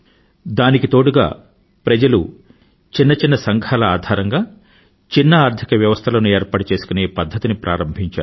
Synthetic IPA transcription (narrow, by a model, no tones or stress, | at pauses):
d̪aːnikit̪o̞ːɽuɡa̰ː | pɾɐd͡ʒɐlu | t͡ʃinːɐt͡ʃinːɐsɐŋɡʰʱaːlɐaːd̪ʱaːɾɐŋɡaː | t͡ʃinːɐaːɾt̪ʰikɐʋjɐʋɐst̪ʰɐlɐːnueːɾpɐːʈut͡ʃeːsu̥kuneːpɐd̪ʱːɐt̪inipɾʔa̰ːɾɐmbʱiɲt͡ʃaːɾu